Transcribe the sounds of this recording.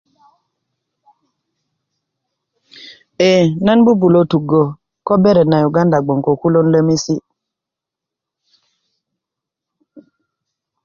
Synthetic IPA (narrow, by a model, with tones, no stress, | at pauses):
e˨na˦nbu˦bu˨lo˦tu˨ɡo˨ | ko˦be˦ɾe˨na˨ju˨ɡa˦nda˨ɡ͡bo˨ŋko˨ku˦lo˦nlə˦mi˦si˦